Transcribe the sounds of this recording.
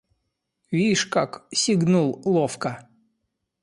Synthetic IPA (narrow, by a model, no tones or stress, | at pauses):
vʲiʂkaksʲiɡnulˠlˠofkə